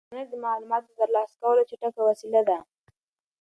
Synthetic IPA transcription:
naɾd̪əmɑlumɑt̪ot̪əɾlɑsḁkawəlot͡ʃeʈakawasilad̪a

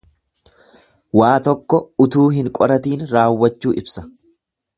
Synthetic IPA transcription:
waːt̪ɔkːɔʊt̪uːɦɪŋkʼɔɾɐt̪iːnɾaːwːɐt͡ʃːuːʔɪbsɐ̥

